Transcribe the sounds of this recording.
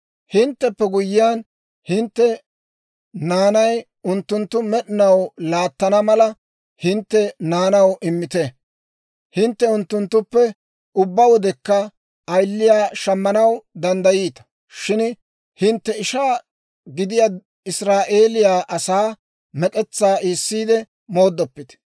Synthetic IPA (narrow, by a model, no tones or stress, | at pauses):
hɪnt̪ːɛpːɛɡʊjːɪjan | hɪnt̪ːɛ | naːnɐj | ʊnt̪ːʊnt̪ːʊmɛɗɪnɐwlaːt̪ːɐnɐmɐlɐ | hɪnt̪ːɛnaːnɐwʔɪmːɪt̪ɛ | hɪnt̪ːɛʊnt̪ːʊnt̪ːʊpːɛ | ʊbːɐwɔd̪ɛkːɐ | ɐjlːɪjaːʃɐmːɐnɐwd̪ɐnd̪ɐjiːt̪ɐ̥ | ʃɪn | hɪnt̪ːɛɪʃaː | ɡɪd̪ɪja | ɪsɾaːʔe̞ːlɪjaːʔɐsaː | mɛkʼɛt͡sːaːʔiːsːiːd̪ɛ | mo̞ːd̪ːɔpːɪt̪ɛ̥